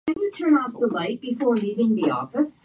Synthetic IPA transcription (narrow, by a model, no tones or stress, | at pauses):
ɨ̃njɨtʰɜ̃˞nɔfðəlaɪk̚b̥ɪfɔːɹliːvɪ̃ŋðiɔ̰fəs